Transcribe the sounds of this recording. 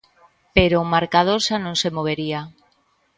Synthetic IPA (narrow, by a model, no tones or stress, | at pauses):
peɾomaɾkaðosanõŋsemoβ̞eɾia